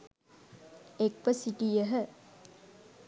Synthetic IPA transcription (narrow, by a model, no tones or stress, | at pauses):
ekʋəsiʈijəɦə